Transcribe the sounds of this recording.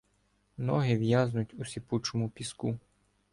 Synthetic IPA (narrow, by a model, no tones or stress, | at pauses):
nɔɦɪʋjaznʊtʲʊsʲiput͡ʃɔmʊpʲisku